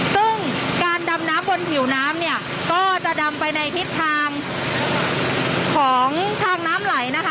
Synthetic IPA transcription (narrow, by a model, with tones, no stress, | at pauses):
sɯ˥˩ŋkaː˧nda˧mnaː˦˥mbo˧np̪ʰi˩˦wnaː˦˥mni˥˩ɐ | kɔː˥˩t͡ɕa˨˩ʔda˧mpa˧jna˧jt̪ʰi˦˥t̪ʰːaː˧ŋ | kʰɔː˩˦ŋt̪ʰaː˧ŋnaː˦˥mla˩˦jna˦˥kʰ